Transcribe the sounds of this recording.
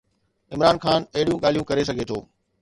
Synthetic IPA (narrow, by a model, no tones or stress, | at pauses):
ɪmɾaːnxaːnɐɦɪɽijũɠaːl̤ijũkɐɾes̬ɐɡʱet̪ʰo̰ː